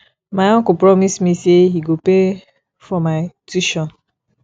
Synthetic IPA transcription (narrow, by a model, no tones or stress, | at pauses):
majɔkʊpɾɔmismiseɦiɡope | fɔmaɪtuʃɔn